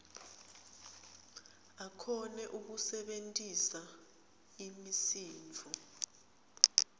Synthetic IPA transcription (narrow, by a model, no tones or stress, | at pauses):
akʰɔnɛʔuk̬usɛɓentʼisa | imisiːnt͡fʰɔ